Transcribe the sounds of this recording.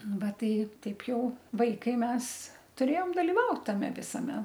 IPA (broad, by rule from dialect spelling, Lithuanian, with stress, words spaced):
ˈʋɐ ˈtɐɪ ˈtɐɪp ˈjɛʊ ˈʋɐɪkɐɪ ˈmʲɛs tʊˈrʲeːjoːm dɐlʲɪˈʋɐʊt tɐˈmʲɛ ʋʲɪsɐˈmʲɛ